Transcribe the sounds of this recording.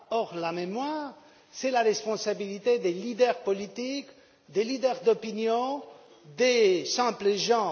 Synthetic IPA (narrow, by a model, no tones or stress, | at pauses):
ɔʁlamemwaːʁ | sɛlaʁɛspɔ̃sabilit̪ed̪elid̪ɛʁpɔlit̪ik | d̪elid̪ɛʁd̪ɔpinjɔ̃ | d̪esɛ̃pləʒɑ̃